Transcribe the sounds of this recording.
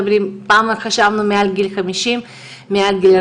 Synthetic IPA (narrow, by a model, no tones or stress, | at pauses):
bɾimpaːmxaʃavnumealɡilxamiʃimː | ealɡil